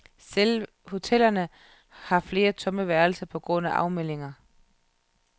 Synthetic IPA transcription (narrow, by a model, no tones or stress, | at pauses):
sel | ho̝t͡sʰel̰ɐnə | hɑ̈fle̝ːɐt͡sʰɔ̽məʋæɐl̩sɐpʰɒ̽ɡ̥ʁɔ̽n̰æʔɑ̈ʊmel̰e̝ŋɐ